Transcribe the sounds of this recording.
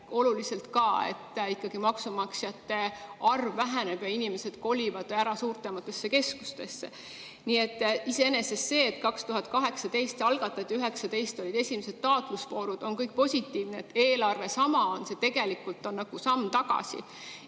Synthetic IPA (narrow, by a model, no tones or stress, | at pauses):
o̞lulise̞lt̪kɑe̞̰t̪ːˑikːˑɑɡ̥imɑksumɑksjɑt̪ːe̞ɑrvːæɦeneb̥jɑinime̞se̞d̪̥ko̞lʲivɑd̪̥æɾɑsuːrt̪ˑemɑt̪ːˑe̞sːe̞ke̞sku̥st̪e̞sːe̞ | niːe̞t̪ːˑise̞enese̞sːe̞ːt̪kɑkst̪uɦɑt̪̚kɑɦe̞ksɑt̪e̞jst̪ɑlɡ̥ɑt̪ːˑɑt̪ʲːˑiyɦe̞ksɑt̪e̞jst̪o̞lʲid̪e̞sʲimese̞t̪̚t̪ːɑːt̪luspo̞ːɾud̪̥o̞nkɤjk̚ˑpo̞sʲit̪ːˑiːvneːt̪ːe̞ːlɑrve̞sɑmɑonse̞t̪e̞ɡe̞likult̪ːˑo̞nːɑɡ̥usɑmːt̪ɑɡɑ̰sḭ